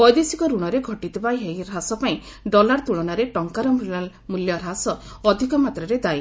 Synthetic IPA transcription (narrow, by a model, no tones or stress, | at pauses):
pɔjd̪esikɔɾuɽ̃ɔɾeɡʱɔʈit̪ʰibajɦejɾasɔpaĩ | ɖɔlaɾt̪uɭɔnaɾeʈɔŋkaɾɔm | muljɔɾasɔɔd̪ʱikɔmat̪ɾɔɾed̪aj